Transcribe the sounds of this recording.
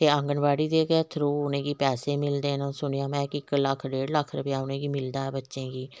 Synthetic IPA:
t̪eːə̃ŋɡənbaːɽiːd̪eːɡɛːt̪ʰɾoːʊnẽːɡiːpɛːseːmɪld̪eːnãːsʊɳ̃ijãːmɛ̃ːkɪkləkʰɖeːɽləkʰːɾəpeãːʊnẽːɡiːmɪld̪aːɛːbətːʃẽːɡiː

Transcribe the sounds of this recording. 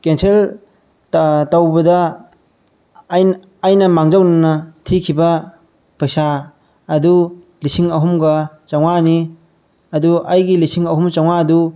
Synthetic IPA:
kensel | tawbɐdɐ | jː | jnɐmaŋd͡ʒawnanɐtʰikʰibɐ | pajsaː | du | lisiŋɐɦumɡɐ | t͡ʃawŋani | ɐduajɡilisiŋɐɦumt͡ʃawŋaːdu

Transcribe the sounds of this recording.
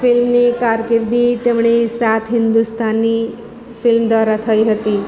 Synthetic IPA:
fɪlmnikaɾkɪɾd̪it̪emɳesat̪ʰɦɪnd̪ust̪ʰanːi | fɪlmd̪ʋaɾat̪ʰəiɦət̪i

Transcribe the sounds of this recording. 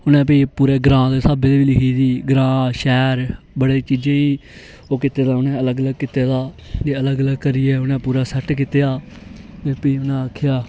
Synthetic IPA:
ʊnẽːp̬ipuːɾeːɡɾãːd̪eːsaːbeːd̪eːʋiːlɪkʰiːsiːɡɾãːʃɛːɾ | bəɽeːt͡ʃiːd͡ʒẽːiː | oːkɪt̪eːd̪aːʊnẽːələɡələɡ̚kɪt̪eːd̪aː | d͡ʒeːələɡələɡkəɾiːɛːʊnẽːpuːɾaːsəʈkɪt̪ejaːt̪eːpəiːʊnãːəkʰɪjaː

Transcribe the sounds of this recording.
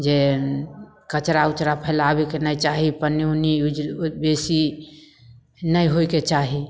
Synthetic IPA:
d͡ʒe | kət͡ʃɾaut͡ʃɾapʰəlabekenəjt͡ʃaɦipəniuniud͡ʒbesi | nəjɦojket͡ʃaɦi

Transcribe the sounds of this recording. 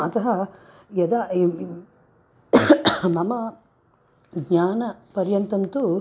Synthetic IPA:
ɐt̪ɐɦɐ | jɐd̪a | mɐmɐ | ɡɲaːnɐpɐɾjɐnt̪ɐnt̪u

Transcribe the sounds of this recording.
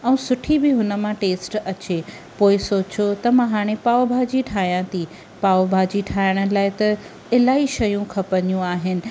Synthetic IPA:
ɛ̃ũːsʊʈʰibɪɦʊnə̆mãʈeːsʈɐt͡ɕe | poːɪsoːt͡ɕot̪ɐmãɦaːɽ̃epaːobʱaːd͡ʑiʈʰaːjãt̪ʰi | paːobʱaːd͡ʑiʈʰaːɪɽ̃ə̆laːɪt̪ɐ | ɪlaːiʃɐjũkʰɐpəɲjũaːɦɪnɪ̆

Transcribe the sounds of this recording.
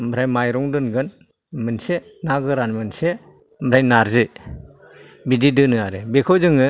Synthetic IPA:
mɾajmajɾɔŋdɯnɡɯn | mɯnse | naɡɯɾanmɯnse | mɾajnaɾzɯ | bididɯnɯaɾɯbekʰɔzɯŋɯ

